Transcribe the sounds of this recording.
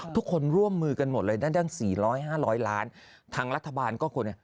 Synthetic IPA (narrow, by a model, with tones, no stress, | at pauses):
t̪ʰu˦˥kʰːo˧nɾu˥˩əmːɯː˧ka˧nmo˨˩t̪̚lɤː˧jdaː˥˩da˥˩ŋsiː˨˩ɾɔː˦˥jɦaː˥˩ɾɔː˦˥jlaː˦˥n | t̪ʰaː˧ŋɾa˦˥t̪ʰːa˧baː˧nkɔː˥˩kʰo˧na˥˩